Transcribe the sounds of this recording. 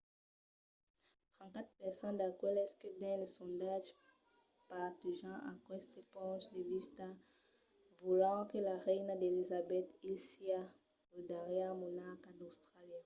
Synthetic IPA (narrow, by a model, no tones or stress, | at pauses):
t̪χɑ̃n̚kat̪pɛʁsɑ̃d̪akwɛlɛskəd̪ɛ̃lesɔ̃d̪aʒ | paʁt̪yʒɑ̃ʔakwɛst̪epɔ̃ʃdevist̪a | vulɑ̃kəlaʁɛjnad̪elizabɛt̪ilsia | ud̪aʁjamonaʁkad̪ost̪χaljã